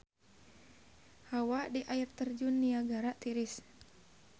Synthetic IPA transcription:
hawadiʔairt̪ərd͡ʒunːiaɡaɾaʔt̪iɾis

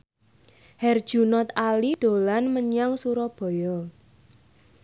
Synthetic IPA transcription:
hɛrd̥ʒ̥unɔt̪alid̪̥o̤lanməɲaŋsuɾɔb̥ɔ̤jɔ

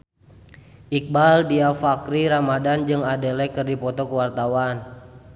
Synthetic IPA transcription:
ʔik̚baldiafakɾiɾamadand͡ʒɨŋadɛlɛkɨrdipɔt̪ɔkəwart̪awan

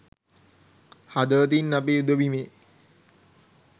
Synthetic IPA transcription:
had̪ət̪̬inːapeːud̪əʋimeː

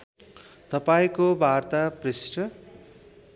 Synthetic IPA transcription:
t̪ʌpaĩkobʱart̪aprisʈʌ

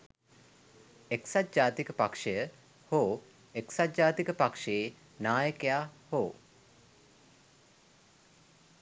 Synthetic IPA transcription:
eksat̪d͡ʒaːt̪ikəpakʂejə | hoː | eksat̪̚d͡ʒaːt̪ikəpakʂee | naːjəkejaːhoː

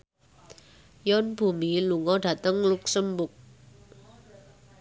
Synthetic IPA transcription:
jɔnb̥ṳmiluŋɔɖ̥ä̤t̪əŋluksəmbʊk̚

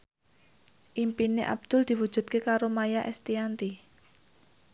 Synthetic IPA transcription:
ʔimpineʔa̰b̥̚d̪̥ʊ̤ld̪̥i̤wud̥ʒ̥ṳt̪̚kekaɾomajaʔɛ̰st̪iant̪i

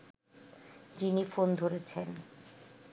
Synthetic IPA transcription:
d͡ʑinifond̪ʱoɾet͡ɕʰen

